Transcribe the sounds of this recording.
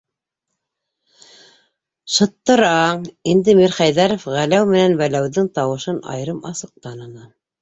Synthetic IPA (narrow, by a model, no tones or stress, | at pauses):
ʃɤ̆t̪ːɤ̆ɾɑɴind̪ɘmiɾχæjðæɾŏfʁælæwmɘ̆nænwælæwðɘŋt̪ɑwɤ̆ʃɤnɑ̰jɾɤmɑsɤ̆q̚t̪ɑnɤ̆nɑ